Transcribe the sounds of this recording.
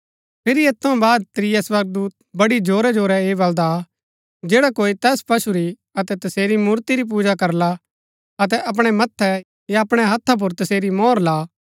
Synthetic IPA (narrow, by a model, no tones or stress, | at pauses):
pʰɪɾieːt̪ʰːɐ̃baːd̪̚t̪ɾɪjaswɐɾɡ̚d̪uːt̪̚bɐɽid͡ʒʱoːɾɛd͡ʒoːɾɛeːbɐld̪a | d͡ʒeːɽakoːit̪ɛːspɐʃuɾi | ɐt̪ɛt̪ɐseːɾimuːɾt̪iɾip̬uːd͡ʒakɐɾla | ɐt̪̬ɛʔɐp̬ɽ̃ɛmɐt̪ʰːɛ | jaɐpɽ̃ɛɦɐt̪ʰːap̬ʊɾt̪ɐseːɾimɔːɾlaː